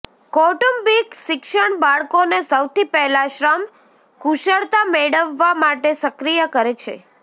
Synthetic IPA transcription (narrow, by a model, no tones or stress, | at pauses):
kɔʈumbikʃɪkʃəɳbaɭkonesəwt̪ipɛɦlaʃɾəm | kuʃəɭt̪ameɽəʋːamaʈesəkɾijəkəɾet͡ʃʰḛ